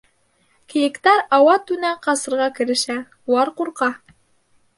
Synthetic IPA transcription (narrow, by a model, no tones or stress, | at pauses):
kɘ̆jɘ̆kt̪æɾɑwɑt̪ʉnæqɑsɤ̆ɾʁɑkɘ̆ɾɘ̆ʃæ | uwɑɾquɾqɑ